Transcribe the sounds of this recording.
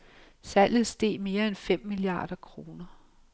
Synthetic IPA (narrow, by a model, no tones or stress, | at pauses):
sæl̰jð̩ˠsd̥e̝̰ːme̝ːɐenfem̰ːiliɑ̰̈ːd̥ɐkʰʁo̝ːnɐ